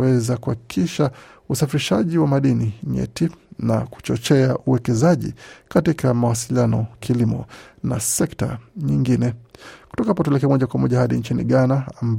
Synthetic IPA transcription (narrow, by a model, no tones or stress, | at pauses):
ɛzakuhaki̥kʰiʃa | usafiɾiʃaʄiwamaɗiniɲɛ̰tinaku̥t͡ʃɔt͡ʃɛaʔuwɛkɛzaʄḭkatikamawasilianɔkʰilimɔna̰sɛkta̰ɲiŋɡinɛku̥tɔkaapɔtuɛlɛk̬ɛamɔʄakwamɔʄahaɗint͡ʃinḭɠanaːmb